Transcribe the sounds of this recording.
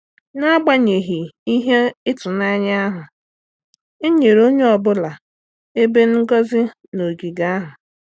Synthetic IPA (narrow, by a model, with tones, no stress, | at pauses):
na˦ɡ͡ba˦ɲe˨ɦi˨i˦ɦe˦ɪ˦tʊ˨na˦ɲ˦a˦ɦʊ˨ | e˦ɲe˨ɾo˦ɲe˦ɔ˨bʊ˦la˨ | e˦be˦n̩˦ɡɔ˦zɪ˦ | no˨ɡi˨ɡa˦ɦʊ˨